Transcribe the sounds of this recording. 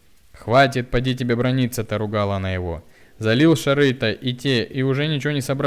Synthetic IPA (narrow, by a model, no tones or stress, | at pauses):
xvat̬ʲɪt̪̚pɐdʲitʲɪbʲebɾɐnʲit̪sət̪ɐɾʊɡalˠənəjɪvo̞̰ | zɐlʲilˠʂɐɾɨt̪ɐʔitʲeʔiʊʐɛnʲɪt͡ɕɪvonʲɪsɐbɾ